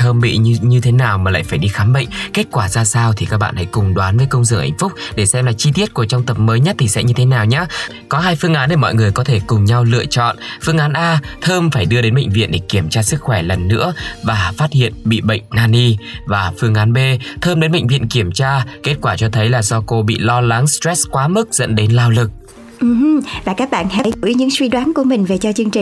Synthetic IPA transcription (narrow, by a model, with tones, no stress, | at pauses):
t̪ʰəː˧mɓḭ˧˨ɲɨ˧t̪ʰe˨˦naː˨˩wmaː˨˩la̰ː˧˨jfaː˧˩jɗi˧xaː˨˦mɓə̰˧˨jŋ̟ke˦˥t̚kwaː˧˩zaː˧saː˧wt̪ʰi˨˩kaː˦˥k̚ɓa̰ː˧˨nha̰˧˥˩jkʊ˨˩ŋ͡mɗwaː˨˦nvəː˨˦jkə˧wŋ͡msɨ̰˧˨əŋʔa˧˩jŋ̟fʊ˦˥k͡p̚ɗe˧˩sɛ˧mlaː˨˩t͡ɕi˧t̪i˦˥ət̚ku˧˩ət͡ɕɔ˧ŋ͡mt̪ə˨˩p̚məː˨˦jɲə˦˥t̚t̪ʰi˨˩sɛ̰˧˥ɲɨ˧t̪ʰe˨˦naː˨˩wɲaː˨˦ | kɔ˨˦ɦaː˧jfɨ˧əŋʔaː˨˦nɗe˧˩mɔ̰˧˨jŋɨ˨˩əjkɔ˨˦t̪ʰe˧˩kʊ˨˩ŋ͡mɲa˧wlɨ̰˧ət͡ɕɔ̰˧˨nfɨ˧əŋʔaː˨˦nʔaː˧t̪ʰəː˧mfaː˧˩jɗɨ˧əɗe˨˦nɓə̰˧˨ŋ̟vḭ˧˨nɗe˧˩ki˧˩əmt͡ɕaː˧sɨ˦˥k̚xwɛ˧˩lə˨˩nːɨ̰˧˥əvaː˨˩faː˦˥t̚hḭ˧˨ənɓḭ˧˨ɓə̰˧˨jŋ̟naː˧ni˧vaː˨˩fɨ˧əŋʔaː˨˦nɓe˧t̪ʰəː˧mɗe˨˦nɓə̰˧˨jŋ̟vḭ˧˨ənki˧˩əmt͡ɕaː˧ke˦˥t̚kwaː˧˩t͡ɕɔ˧t̪ʰə˨˦jlaː˨˩zɔ˧ko˧ɓḭ˧˨lɔ˧la˨˦ŋstɹɛ˦˥skwaː˨˦mɨ˦˥k̚z̥ə̰˧˥nɗe˨˦nlaː˧wlɨ˨˩k̚ | ʔ̩˨˧˩vaː˨˩kaː˦˥k̚ɓa̰ː˧˨nha̰˧˥˨jɲɨ̰˧˥ŋswi˧ɗwaː˨˦nku˧˩əmï˨˩ŋ̟ve˨˩t͡ɕɔ˧t͡ɕɨ˧əŋt͡ɕi˨